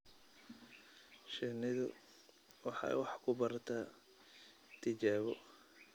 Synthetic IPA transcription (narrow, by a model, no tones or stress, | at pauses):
ʃɛnɪðʊ̰ | wɑħɑ̰jwɑħkʰʊbɐrt̪ʰa | t̪ʰɪt͡ʃaːβɔ